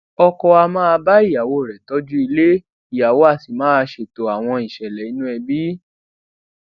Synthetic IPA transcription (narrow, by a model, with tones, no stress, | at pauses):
ɔ˧kɔ˧a˧mãː˦a˧ba˦i˦˨ja˨wo˨˦˨ɾɛ˨tɔ˦d͡ʒu˦i˧le˦ | i˨ja˨wo˦a˦˨si˨mãː˨˦a˧ʃe˨to˨a˨w̃ɔ̃˧i˨ʃɛ˨lɛ˨i˨˦nũ˦ɛ˧bi˦